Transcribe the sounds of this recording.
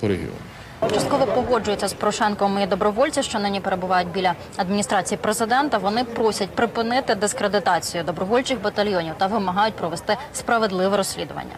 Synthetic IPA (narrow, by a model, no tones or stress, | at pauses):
ɾḛɦʲḭɔ̰n | t͡ʃɐst̪kɔʋɔpɔɦɔd͡ʒʊjʊt͡sʲːɐspɔɾɔʃɛnkɔmid̪ɔbɾɔʋɔlʲt͡sʲiʃt͡ʃɔnɪnʲipeɾe̞bʊʋɑjʊt̚ʲbʲilʲɐ | ɐd̪mʲinʲist̪ɾɑt͡sʲijipɾezɪd̪ɛnt̪ɐʋɔnɪpɾɔsʲɐt̚ʲpɾɪpɪnɪt̪ɪd̪ɪskɾed̪ɪt̪ɑt͡sʲijʊd̪ɔbɾɔʋɔlʲt͡ʃɪxbɐt̪ɐlʲjɔnʲiwt̪ɐʋɪmɐɦɑjʊt̚ʲpɾɔʋest̪ɪ | spɾɐʋed̪lˠɪʋɛɾɔsʲlʲḭd̪ʊʋɐ̰nʲːɐ̰